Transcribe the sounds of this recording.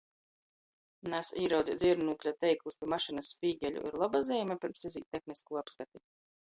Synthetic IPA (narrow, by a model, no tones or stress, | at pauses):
nasiːɾawd̪zʲid̪zʲiɛɾnuːklʲat̪ɛjklˠuspʲiɛmaʃinasːpʲiːɡʲɛlʲṵʔḭɾlˠabazɛːmʲɛpʲiɾmsizʲḭːt̪ʲːexniskuːapskat̪i